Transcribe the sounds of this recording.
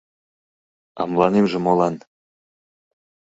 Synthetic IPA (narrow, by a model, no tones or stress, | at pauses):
ɑ̰mlˠɑnemʒĕmolˠɑn